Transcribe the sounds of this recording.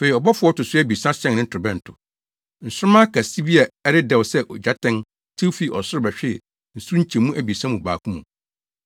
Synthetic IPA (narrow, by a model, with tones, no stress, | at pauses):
fe˨i˨ɔ˨bɔ˦fʊ˦ɔ˦tʊ˨sʊ˦æ˦bi˨sã˦ɕɛ̃˦ŋnɪ̃˦tʰɪ˨bɛ̃˦n̩˨tʰʊ˨ | n̩˨sʊ˦ɾʊ˦mã˦kʰa˨si˦bi˦a˨ɛ˦ɾɪ˦dɛ˨wsɛ˦ʔɔ˨d͡ʑa˦tʰɛ̃˦n | tʰi˦fi˨ʔɔ˨sʊ˦ɾɪ˦bɛ˨ɕᶣɪ˦˨ | n̩˨su˦ɲ̩˦t͡ɕʰɛ̃˨mũ˦ʔæ˨bi˨sã˦mũ˨ba̰ː˨kʰũ˦mũ˨